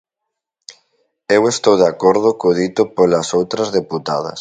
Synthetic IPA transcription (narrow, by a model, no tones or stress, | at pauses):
ewest̪owðakoɾð̞ʊkoðit̪ʊpolasowt̪ɾɐzðeput̪a̰ð̞ɐ̰s